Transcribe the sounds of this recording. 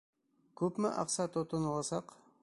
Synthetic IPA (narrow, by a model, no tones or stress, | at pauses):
kʉpmɘʔɑ̰qsɑt̪ŏt̪ŏnɤlˠɑsɑq